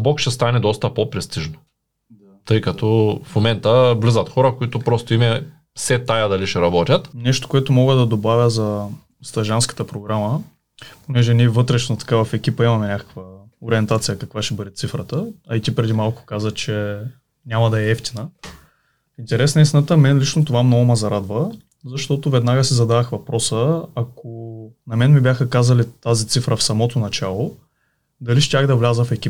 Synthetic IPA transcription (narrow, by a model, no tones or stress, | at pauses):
bɔkʃɛst̪anɛd̪ɔst̪ɐpopɾɛst̪iʒno̥ | t̪ɤjkɐt̪ɔfmomɛnt̪əvlizɐt̪xɔɾɐkoit̪opɾɔst̪oimɛ | sɛt̪ajɐd̪ɐliʃɛɾɐbɔt̪ʲjɐt̪nɛʃt̪o̥koɛt̪omɔɡəd̪ɐd̪obavʲjəzɐ | st̪ɐʒanskə̥t̪əpɾoɡɾamə | ponɛʒɛniɛvɤt̪ɾɛʃnot̪ɐ̥kavɐfɛkʲipəimɐmɛnʲakə̥kvə | oɾiɛnt̪at̪sijəkɐkvaʃɛbəd̪ɛt̪sifɾət̪əɐit̪ipɾɛd̪imalˠkʊ̥kazəxt͡ʃɛ | nʲamɐd̪ɐɛɛft̪inə | int̪ɛɾɛsnəist̪inət̪əmɛnlit͡ʃnot̪ovamnɔɡʊmɐzɐɾad̪və | zɐʃt̪ɔt̪ovɛd̪naɡəsizɐd̪avəxvɐpɾɔsəɐkonɐmɛnmibʲjaxəkazɐlit̪azit̪sifɾəfsɐmɔt̪onɐt͡ʃalˠo | d̪ɐliʃt̪ʲaxd̪ɐvlʲazəfɛkʲip